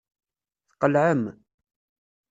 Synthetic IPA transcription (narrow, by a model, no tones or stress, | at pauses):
θqəlʕəm